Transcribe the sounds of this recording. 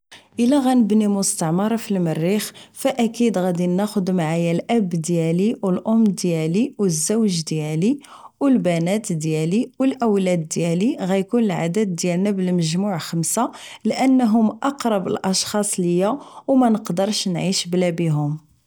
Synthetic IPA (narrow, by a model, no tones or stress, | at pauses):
ʔəlːæɣænəbnimʊst̪ɑʕmɑɾˤɑfilmərːixfæʔækid̪ɣæd̪inːæxʊd̪maʕajælʔæbd̪jæliwəlʔʊmːd̪jæliwəzːæwʒd̪jæli | wəlbænæt̪d̪jæliwəlʔəwlæd̪ːjæliɣæjkunəlʕa̰d̪æd̪̚ːjælnæbəlməʒmuʕxəmsalʔənːɦʊmʔɑqɾˤɑbə̰lʔɑʃxɑsˤləjːæwmænəqd̪əɾˤʃnʕiʃblæbiɦʊm